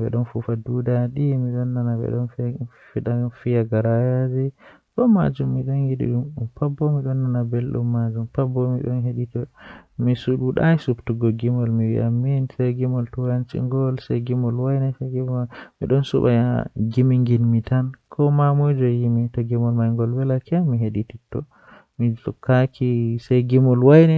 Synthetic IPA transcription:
bɛ̰ɗɔnfufadudaɗimiɗɔnːanabɛ̰ɗɔnfiɗafijaɡaɾajad͡ʒɛ | kɔma̰d͡ʒumːiɗɔnɡiɗḭɗummpabːɔmiɗɔnːanabelɗṵmːad͡ʒumpabːɔmiɗɔnheɗitɔmisuɗuɗa̰jsubtuɡɔɡimɔlmiwḭʔamːinsaɡimɔltujant͡ʃḭŋɡɔlsajɡimɔlwajnɛsaɡimmḭɗɔnsṵɓajaɡimiŋɡinmitankʰɔmamɔjd͡ʒɔjimitɔɡimɔlmajŋɡɔlwɛlakɛmiɦeɗititːɔ | mizɔkʰːakʰisajɡimɔlwajnɛ

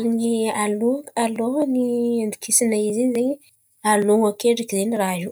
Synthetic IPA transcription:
nialoalonind̪i̥kʰisinaiziɲzeɲi | aloŋokeɖ͡ʐikizeniraʒu

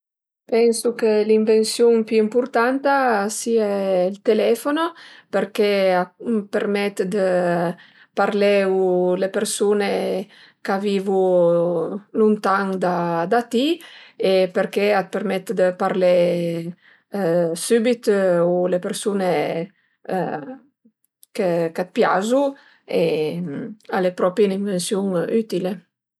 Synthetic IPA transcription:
pɛnsukeliɱvensjuŋpyimpuɾt̪ant̪asiailt̪elɛfonopeɾkeapeɾmɛt̪d̪ə | paɾlɛwulepeɾsune | kaviːvu | lunt̪aŋd̪ad̪at̪iepeɾkeat̪̚peɾmɛt̪d̪əpaɾle | sybit̪ulepeɾsune | kekat̪̚pjazu | e | alepɾɔpɾjeniɱvensjuŋyt̪ile

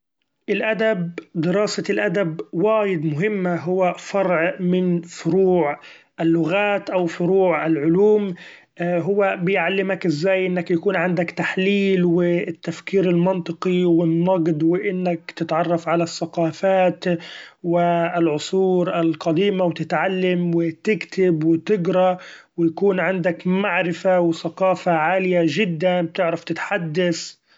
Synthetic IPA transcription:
ʔɪlʔad̪abd̪ɪɾɑːsaɪlʔad̪abwaːjɪd̪mʊɦɪmːaɦʊwːafɑɾˤʕmɪnfʊɾuːʕ | ʔalːʊɣaːt̪ʔawfʊɾuːʕʔɪlʕʊluːm | ɦʊwːabɪjʕalːɪmakʔɪzːaːjʔɪnːakjakuːnʕand̪akt̪aħliːlwɪt̪ːafkiːɾɪlmɑnt̪ˤɨqiwɪnːɑɡd̪wɪʔɪnːakt̪ɪt̪ʕɑrˤːɑfʕalasːaqɑːfaːt̪wɪɪlʕʊsˤuːɾʔɪlqɑd̪iːmawt̪ɪt̪ʕalːamwɪt̪ɪkt̪ɪbwɪt̪ɪɡɾˤɑwɪjakuːnʕɪnd̪akmaʕɾɪfawɪθaqɑːfaʕaːlɪjaʒɪd̪ːanb̚t̪ɪʕɾaft̪ɪt̪ħad̪ːas

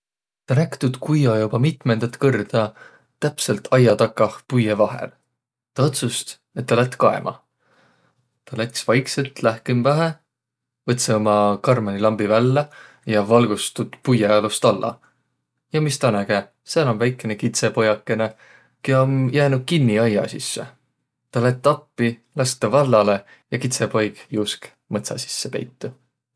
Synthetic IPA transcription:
t̪ɑnækt̪ud̪̥kujːɑjubɑmit̪ˑme̞nd̪̥ɑt̪ːˑkɤrd̪̥ɑ | t̪æpse̞lt̪ʰɑjːɑt̪ɑkːɑhpujevɑɦḛl | t̪ɑot̪sust̪ | e̞t̪ːɑlæt̪ːˑkɑe̞̰mʔɑ̰ | t̪ɑlæksvɑjkse̞lt̪læhkimvæɦe | vɤt̪seomɑkɑrmɑnilɑmbivælːe | jɑvɑlɡ̥ust̪ud̪̥pujɑɑlust̪ɑlːɑ̰ | jɑmist̪ɑnæɡ̥e | seːnonvæjkːˑe̞nekit̪se̞po̞jɑkːˑe̞ne̞ | keomjæːnud̪̥̚kinːiɑjːɑ̰sisːḛ | t̪ɑlæt̪ːˑɑpːilɑst̪ɑvɑlːɑle̞ | jɑkit̪se̞po̞jɡ̥juːsk | mɤt̪sɑ̰si̥sːepe̞̰jt̪ːu

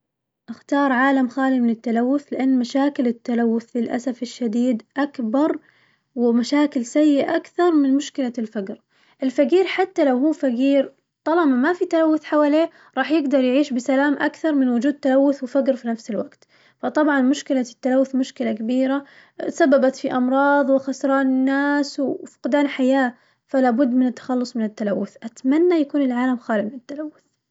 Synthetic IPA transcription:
ʔaxt̪ɑːɾˤʕaːlamxaːlimɪnɪt̪ːalawːʊθlɪʔanːmaʃaːkɪlɪt̪ːalawːʊθlɪlʔa̰safɪʃːad̪iːd̪ʔakbɑɾˤ | wɪmaʃaːkɪlsajːɪʔa̰ʔakθɑɾˤmɪnmʊʃkɪlalfaɡɾ | ʔɪlfaɡiːɾħat̪ːalawɦuːfaɡiːɾ | t̪ˤɑlɑmamafit̪alawːʊθħawaːleː | ɾˤɑːħjɪɡd̪ɑɾˤjʕiːʃbɪsalaːmʔakθɑɾˤmɪnwʊd͡ʒuːd̪̚t̪ːalawːʊθwɪfaɡɾfinafsɪlwaɡt̪ | fɑt̪ˤɑbʕɑnmʊʃkɪlat̪ːalawːʊθmʊʃkɪlakabiːɾa | sabːabat̪fiʔɑmɾˤɑːðˤwɪxɑsɾˤɑːnɪnːaːswfʊ̥qd̪aːnħajaː | falaːbʊd̪ːmɪnɪt̪ːḁxɑlːʊsˤmɪnɪt̪ːalawːʊθʔat̪manːajakuːnɪlʕaːlamxaːlɪbmɪnɪt̪ːalawːʊθ

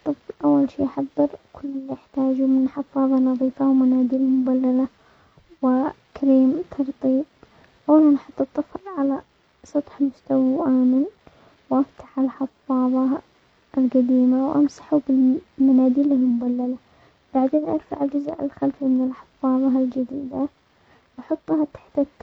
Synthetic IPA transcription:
t̪ˤːɨflʔawːalʃḭːʔaħɑðˤːɨɾkʰʊlːɪlːiʔɪħt̪aːd͡ʒumɪnħɑfːɑːðˤɑnɑðˤiːfawmanaːd̪iːlalmʊbalːala | wɪkɾiːmt̪ʰɑɾˤt̪ˤiːb̚ | ʔawːnanħɑt̪ˤːɨt̪ˤːɨflʕala | sˤɑt̪ˤħmʊst̪awʔaːmɪn | wʔaft̪ḁħalħɑfːɑːðˤɑ | ɪlqad̪iːmawʔamsḁħubɪlmanaːd̪iːlalmʊbalːala | b̥aʕd̪eːnʔa̰ɾˤfa̰ʕɪld͡ʒʊzʔɪ̰lxalfimɪnɪlħɑ̥fːɑːðˤɑld͡ʒad̪iːd̪a | ʔɑħɑt̪ˤːhat̪ḁħt̪

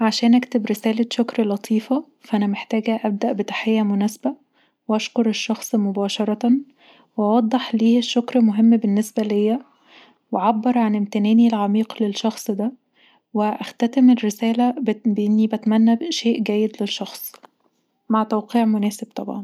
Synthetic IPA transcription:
ʕaʃæːnʔækt̪ebɾesæːleʃokɾlɑt̪ˤʰiːfɑ | fæʔænæmeħt̪æːɡæʔæb̚d̪æʔbet̪ḁħejːæmonæsbæ | weʔɑʃkoɾeʃːɑxsˤmobɑːʃɑɾˤɑ | weʔɑwɑd̪ˤːeħliːeʃːokɾmoɦemːbenːesbælejːæ | weʕabːɑɾˤʕanemt̪enæːnilʕamiːqlelʃɑxsˤd̪æ | weʔæxt̪æt̪emerːesæːlæbbeʔenːibæt̪mænːæʃeːʔɡæːjːed̪leʃːɑxsˤ | maʕt̪æwqiːʕmonæːseb̚t̪ˤɑbʕɑn

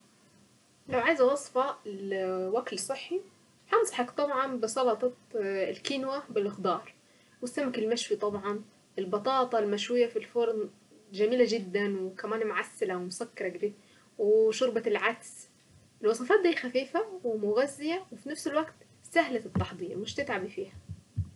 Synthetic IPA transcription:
lawʕaːjɪzawɑsˤfɑlwaklsˤɨħːi | ħɑnsˤɑħɑkt̪ˤɑbʕɑnbɪsˤɑlɑt̪ˤɑlkiːnwabɪlʔɪxd̪ɑːɾˤ | wɪsːamakɪlmaʃwit̪ˤɑbʕɑn | ʔɪlbɑt̪ˤɑːt̪ˤɑlmaʃwɪjːafilfʊɾˤn | ʒamiːlaʒɪd̪ːanwkamaːnmʊʕasːɪlawɪmʊsakːɑɾˤɑɡd̪i | wɪʃʊɾbalʕaks | ʔɪlwɑsˤɑfɑːt̪̚d̪iːxafiːfawɪmʊɣazːɪjawɪfinafsɪlwaɡt̪ | sahlaɪt̪ːɑħd̪ˤiːɾmɪʃt̪ɪt̪ʕabifiːha

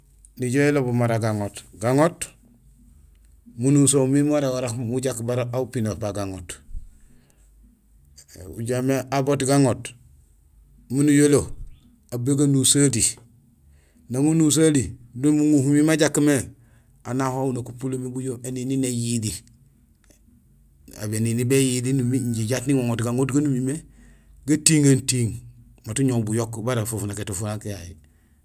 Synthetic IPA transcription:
niɟoelobumaɾaɡaŋotɡaŋot | munusomimaɾawaɾakmuɟakbaɾaupinopaɡaŋot | ṵɟameabotɡaŋot | munijolo | abeɡanusadi | naŋunus̬adidunmuŋuhumimaɟakːme | anahounakupulomibuɟoenininejidi | a̰beninibejidinumiɲɟiɟatniŋoŋotɡaŋotɡanumime | ɡatiːŋantiŋ | matuɲobujokbaɾafofunaketofunakejajḭ

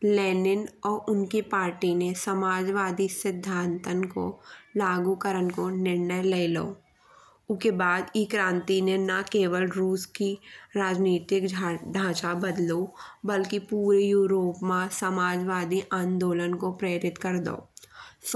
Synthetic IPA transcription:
lɛːnɪnɔːɾʔʊnkipaːɾʈinesəmaːd͡ʒʋaːd̪isɪd̪ʱːãːnt̪ənko̰laːɡukəɾənkonɪɾnəjleːloo | ʊkebaːd̪ikɾãːnt̪inenakeːwəlɾuːskiɾaːd͡ʒniːt̪ɪkɖʱãːt͡ʃabəd̪lobəlkipuːɾejuːɾoːpmãsəmaːd͡ʒʋaːd̪iʔãːnd̪oːlənkopɾeːɾɪt̪kəɾd̪o̰ː

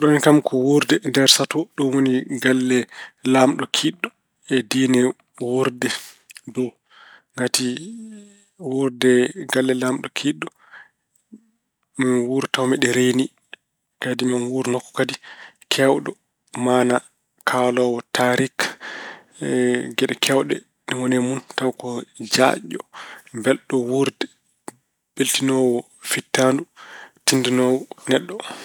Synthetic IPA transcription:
ɗɔnkamkʰɔwuɾdɛndɛɾsatɔɗɔnwoniɡalːɛlamɗɔkʰiɗːɔ | ɛdinɛ | woɾdɛ | dɔ | ŋɡati | wuɾdɛɡalːɛlamɗɔkʰiɗːɔ | mawuɾtawmɛɗɛɾeni | kadimanwuɾnɔkːɔ̥kadikʰɛwɗɔ | mana | kʰalɔwɔtʰaɾik | ɡɛɗɛkʰɛwɗɛ̰ | niwɔnɛmuntawkɔd͡ʒa̰ʄɔ̰mbɛlɗɔwuɾdɛ | b̥eltinɔwɔ | fitːandutindinɔwɔnɛɗːɔ

